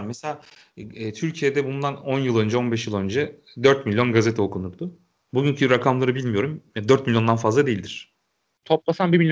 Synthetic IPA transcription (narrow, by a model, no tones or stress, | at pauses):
mːeselʲaː | ɛːt̪ʰyɾcʰijed̪ɛbund̪ano̞njɯlˠø̞nd͡ʒɛo̞nbɛʃ̬jɯlˠø̞nd͡ʒɛ | d̪øɾt̪̚milʲjo̞nɡazet̪ʰɛokʰunuɾd̪ʊ | buɟyɲcʰyɾakʰamlˠaɾɯbilʲmijo̞ɾumjad̪øɾt̪̚milʲjo̞nd̪anfazlˠad̪e̞jilʲd̪iɾ̥ | t̪ʰop̚lˠasanbimilʲj